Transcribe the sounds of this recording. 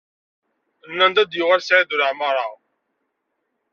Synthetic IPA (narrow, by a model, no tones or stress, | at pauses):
nːænd̪æd̪jʊʁaɾsʕiðuɾəʕməɾˤɑʁ